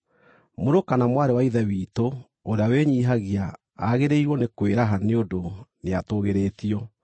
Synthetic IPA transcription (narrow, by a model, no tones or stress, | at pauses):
moɾokanamwaːɾewaiðɛwiːto | oɾeaweɲiːɦaɣiaː | ɣeɾeiɾwɔnekweɾaɦaneodoneatoɣeɾeːtiɔ